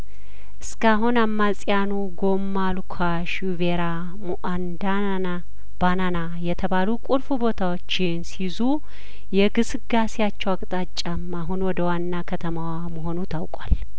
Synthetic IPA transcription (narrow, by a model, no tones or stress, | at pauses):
ʔɨskʰaɦunamːalt͡sʼijanuɡo̞mːalukʰa | ʃuveɾa | muʔand̪ | b̥anana | jɛt̪ʰəβalukʼulfubo̞t̪ʰawot͡ʃːɪnsizu | jɛɡɨsɨɡasijat͡ʃːɛwakʼt̪ʼat͡ʃʼːamːaɦunwɔd̪əwanːakʰət̪ʰəmawaməɦo̞nut̪ʰawkʼwal